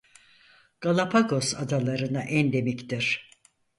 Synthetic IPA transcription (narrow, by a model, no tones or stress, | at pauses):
ɡ̥alˠapʰaɡo̞sad̪alˠaɾɯnaʔɛnd̪e̞mict̪iɾ̥